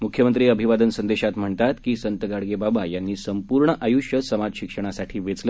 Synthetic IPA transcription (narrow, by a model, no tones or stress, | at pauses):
mukʰjəmənt̪ɾiːəbʱiʋad̪ənsənd̪eɕat̪m̤əɳt̪at̪kiːsənt̪əɡaɽɡebabajanːiːsəmpuɾɳəʔajuʂjəsəmad͡zɕikʂəɳ̃asaʈʰiːʋet͡slə